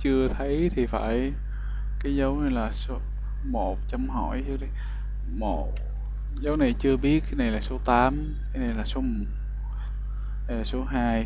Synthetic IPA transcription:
t͡ɕɨ˧ət̪ʰə˨˦jt̪ʰi˨˩fa̰ː˧˩j | kaː˨˦jzə˨˦wne˧˩laː˨˩so˨˦ | mo˨˩t̚t͡ɕa˧mhɔ̰˧˩jzɨ˨˦ɗi˧˩ | mo˧˨˩t̚ | zə˨˦wna˨˩jt͡ɕɨ˧əɓi˦˥ət̚kaː˨˦jna˨˩jlaː˨˩so˨˦t̪aː˨˦m | kaː˨˦jne˨˧˩nlaː˨˩so˨˦m˨˩˨ | aː˨˩so˨˦ɦaː˧j

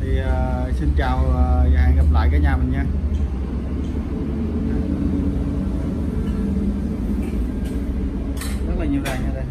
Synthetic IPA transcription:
t̪ʰi˨˩əː˨˩si˧nt͡ɕaː˨˩wə˨˩zaː˨˩ha̰ː˧˨nɣa˨˩p̚la̰ː˧˨jkaː˨˧˦ɲaː˨˧˩mə˨˩nɲaː˧ | a˧˩˧ | zə˦˥t̚laː˨˩ɲi˧˨əwɗaː˨˩ɲaː˨˩ɗə˧˦

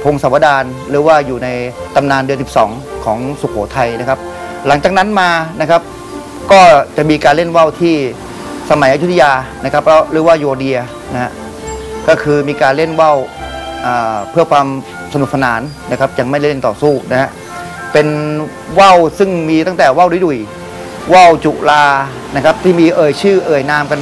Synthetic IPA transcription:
pʰo˧ŋsa˨˩˦wa˧˩daː˧nɾɯː˩˦waː˥˩juː˨˩na˧jt̪a˧mnaː˧ndɯ˧s̬i˨˩p̚sɔː˩˦ŋ | kʰɔː˩˦ŋsu˨˩kʰoː˩˦t̪ʰa˧jna˦˥kʰa˦˥p̚ | la˩˦ŋt͡ɕaː˨˩k̚na˦˥nmaː˧na˦˥kʰa˦˥p̚ | kɔː˥˩t͡ɕa˨˩miː˧kaː˧le˥˩nwa˥˩wt̪ʰiː˥˩ | sa˧ma˨˩˦jʔa˧ju˦˥t̪ʰːa˧jaː˧na˦˥kʰa˦˥p̚lɛ˦˥ɾɯː˩˦waː˥˩joː˧di˧ɐ | na˦˥ha̰˦˥ʔ | kɔː˥˩kʰɯː˧miː˧kaː˧nle˥˩nwa˥˩wʔaː˨˩pʰɯ˥˩ɐkʰwaː˧m | sa˧nu˨˩p̚sʰa˧naː˩˦nna˦˥kʰa˦˥p̚ja˧ŋma˥˩je˥˩nt̪ɔ̰ː˨˩suː˥˩na˦˥ha˦˥ʔ | pe˧n | wa˥˩wsɯ˥˩ŋmiː˧t̪a˥˩ŋt̪ɛː˨˩wa˥˩wdu˧˦du˨˩j | wa˥˩wt͡ɕu˨˩laː˧ | na˦˥kʰa˦˥p̚t̪ʰiː˥˩miː˧ʔɤː˨˩jt͡ɕʰɯː˥˩ʔɤː˨˩jnaː˧mka˧n

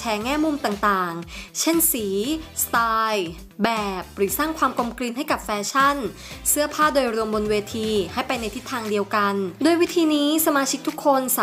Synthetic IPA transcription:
t͡ɕʰɛː˧˩ŋɛː˥˩mu˧mt̪aː˨˩ŋt̪aː˨˩ŋt͡ɕʰe˥˩nsiː˩˦st̪aː˧j | bɛː˨˩p̚ɾɯː˩˦saː˥˩ŋkʰwaː˧mko˧mkɾi˧nɦa˥˩jka˨˩p̚fɛː˧t͡ɕʰa˥˩n | sɯ˥˩ɐpʰaː˥˩doː˧jɾu˧əmbo˧nweː˧t̪ʰiː˧ha˥˩jpa˧jna˧jt̪ʰi˦˥t̪ʰːaː˧ŋdi˧əwka˧ndoː˧jwi˦˥t̪ʰiː˧niː˦˥sa˧maː˧t͡ɕʰi˦˥k̚t̪ʰu˦˥kʰːo˧nsa˨

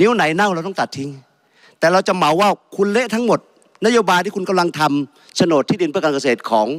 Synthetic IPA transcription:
ni˦˥wna˩˦jna˥˩˨wɾa˧wt̪ɔ˥˩˨t̪a˨˩t̪ʰːi˧ŋ | t̪ɛː˨˩ɾa˧wt͡ɕa˨˩ma˩˦wːaː˥˩wkʰu˧nle˦˥ʔt̪ʰa˦˥ŋmo˨˩t̪̚ | na˦˥joː˧baː˧jt̪ʰiː˥˩ku˧nka˧mla˧ŋt̪ʰa˧m | sʰa˧no˨˩t̪ʰːiː˥˩di˧npʰɯ˥˩əkaː˧nka˧seː˨˩t̪̚kʰɔː˩˦ŋ

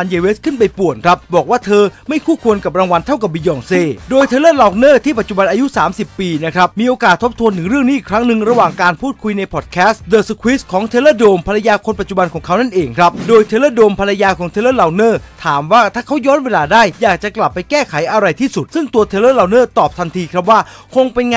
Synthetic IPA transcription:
a˧njeː˧weː˦˥skʰɯ˥˩np̬a˧jpu˨˩ənkʰɾa˦˥p̚bɔː˨˩k̚waː˥˩t̪ʰɤː˧ma˥˩jkʰuː˥˩kʰu˧ənka˨˩p̚ɾaː˧ŋwa˧nt̪ʰa˥˩wka˨˩p̚biː˧jɔː˧ŋseː˥˩doː˧jt̪ʰeː˧ləː˥˩laː˧wk̚nəː˥˩t̪ʰiː˥˩pa˨˩t̪̚t͡ɕu˨˩ba˧nʔaː˧ju˦˥saː˩˦msi˨˩pːiː˧na˦˥kʰɾa˦˥p̚miː˧ʔoː˧kaː˨˩t̪ʰːo˦˥p̚t̪ʰu˧ənt̪ʰɯ˩˦ŋɾɯ˥˩əŋniː˦˥ʔiː˨˩kʰɾa˦˥ŋnɯ˨ŋɾa˧waː˨˩ŋkaː˧npʰuː˥˩t̪̚kʰu˧jna˧jpʰɔː˨˩t̪̚kʰɛː˦˥sdɤː˨˧˩su˧kʰwi˦˥skʰɔː˩˦ŋt̪ʰeː˧laː˥˩doː˧mpʰa˧la˧jaː˧kʰo˧npa˨˩t͡ɕu˨˩ba˧nkʰɔː˩˦ŋkʰa˦˥wna˥˩nʔeː˧ŋkʰɾa˦˥p̚doː˧jt̪ʰeː˧laː˧˥˩doː˧mpʰa˧la˧jaː˧kʰɔː˩˦ŋt̪ʰe˧ləː˥˩laː˧wnɤː˥˩t̪ʰaː˩˦mwaː˥˩t̪ʰaː˥˩kʰa˦˥wjɔː˦˥nweː˧laː˧daː˥˩jjaː˨˩k̚t͡ɕa˨˩kla˨˩pːa˧jkɛː˥˩kʰa˨˩˦jʔa˧ɾa˧jt̪ʰiː˥˩su˨˩t̪̚sɯ˥˩ŋt̪u˧ɐt̪ʰeː˧lɤː˥˩laː˧wnɤː˥˩t̪ɔː˨˩p̚t̪ʰa˧nt̪ʰiː˧kʰɾa˦˥p̚waː˥˩kʰo˧ŋpe˧nŋa˧

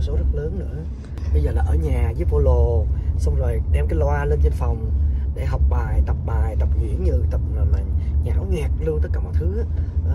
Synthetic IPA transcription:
so˨˦zə˦˥t̚ləː˨˦nnɨ̰˧˥ə | ɓə˧jzəː˨˩laː˨˩ʔəː˧˩˦ɲaː˨˩zɨː˨˦vo˧lo˨˩sa˧wŋ͡mzo˨˩jɗɛ˧mkaː˨˦jlwaː˧le˧nzə˧nfa˨˩wŋ͡mɗe˧˩ɦa˨˩wk͡p̚ɓaː˨˩jt̪ə˨˩p̚ɓaː˨˩jt̪ə˨˩p̚ɣḭ˧˩˨ənɲɨ˧t̪ə˨˩p̚əː˨˩maː˨˩ɲaː˧˩˦wŋɛ˨˩k̚lu˧ənt̪ə˦˥t̚kaː˧˩mɔ̰ː˨˩jt̪ʰɨ˨˦ʔaː˨˦˨

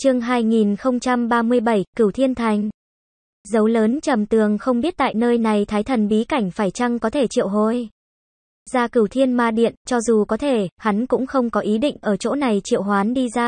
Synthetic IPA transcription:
t͡ɕɨ˧əŋɦaː˧jŋi˨˩nxə˧wŋ͡mt͡ɕa˧mɓaː˧mɨ˧əjɓə˧˩jkɨ˧˩wt̪ʰi˧ənt̪ʰa˨˩jŋ̟ | zə˨˦wləː˨˦nt͡ɕə˨˩mt̪ɨ˨˩əŋxə˧wŋ͡mɓi˦˥ət̚t̪a̰ː˧˨jnəː˧jna˨˩jt̪ʰaː˨˦jt̪ʰə˨˩nɓi˨˦ka˧˩jŋ̟faː˧˩jt͡ɕa˧ŋkɔ˨˦t̪ʰe˧˩t͡ɕḭ˧˨əwɦo˧˩j | zaː˧kɨ˧˩wt̪ʰi˧ənmaː˨˩ɗḭ˧˨ənt͡ɕɔ˧zu˨˩kɔ˨˦t̪ʰe˧˩ha˨˦nkʊ̰˧˥ŋ͡mxə˧wŋ͡mkɔ˨˦ʔi˨˦ɗḭ˧˨ŋ̟ʔəː˧˩t͡ɕo̰˧˥na˨˩jt͡ɕḭ˧˨əwɦwaː˨˦nɗi˧zaː˧

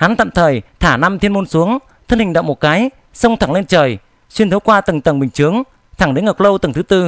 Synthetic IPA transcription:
ha˨˦nt̪a̰ː˧˨mt̪ʰəː˨˩jt̪ʰaː˧˩na˧mt̪ʰi˧ənmo˧nsu˨˦əŋ | t̪ʰə˧nhï˨˩ŋ̟ɗə̰˧˨wŋ͡mmo˨˩t̚kaː˨˦j | sə˧wŋ͡mt̪ʰaː˧˩ŋle˧nt͡ɕəː˨˩j | swi˧nt̪ʰə˨˦wkwaː˧t̪ɨ˨˩ŋt̪ə˨˩ŋɓï˨˩ŋ̟t͡ɕɨ˨˦əŋ | t̪ʰa˧˩ŋɗe˨˦nŋə˨˩k͡p̚lə˧wt̪ɨ˨˩ŋt̪ʰɨ˨˦t̪ɨ˧

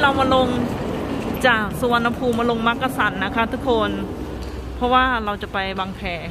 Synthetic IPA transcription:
ɾa˧wmaː˧lo˧ŋ | t͡ɕaː˨˩k̚su˧wa˧nːa˧pʰuː˧mːaː˧lo˧ŋma˦˥kːa˧sa˨˩˦nːa˦˥kʰa˦˥t̪ʰu˦˥kʰːo˧n | pʰɔ˦˥waː˥˩ɾa˧wt͡ɕa˨˩pa˧jwaː˧ŋpʰɛː˨˩

